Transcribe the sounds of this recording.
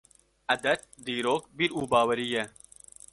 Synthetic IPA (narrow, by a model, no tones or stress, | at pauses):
ɐd̪ɐt̪̚d̪iːɾoːk̚biɾuːbɑːwɐɾije